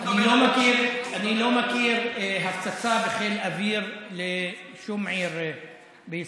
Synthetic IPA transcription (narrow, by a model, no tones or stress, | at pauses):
ʔanilomakiʁanilomakiʁeɦaft͡sat͡sabeχelaviʁle | ʃumʕiʁ | bei